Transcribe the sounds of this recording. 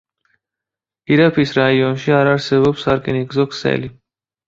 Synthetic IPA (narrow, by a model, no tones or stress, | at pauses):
iɾapʰisɾaiɔnʃiaɾaɾsɛβɔpsaɾkʼɛniɡzɔkʰsɛ̰li